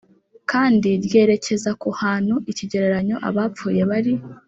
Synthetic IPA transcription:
kaːndiɾje̞ɾe̞ce̞zakuhaːn̥huʔiciɟe̞ɾeɾaɲo̞ʔa̰βaːp͡fuːje̞βaɾi

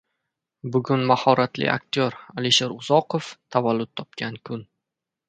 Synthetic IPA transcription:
bʊɡʲʊnmahɒɾat̪lɪ̰a̰k̚t̪ʰjoɾaliʃeɾʊzɒqoft̪ʰavalːʊt̪ːʰɒp̚kʲʰankʰʊn

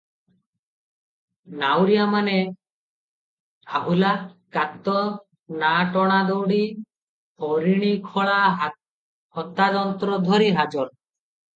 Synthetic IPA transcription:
nawɾijamane | aɦulakat̪ːɔ | naʈɔɽ̃ad̪ɔwɽi | ɔɾiɽ̃ikʰɔɭa | hɔt̪ːad̪ɔnt̪ɾɔd̪ʱɔɾiɦad͡ʒɔɾ

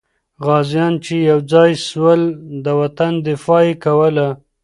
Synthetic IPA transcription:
ɣɑzjɑnt͡ʃejawd͡zɑjswəld̪əwat̪and̪ɪfɑjekawəla

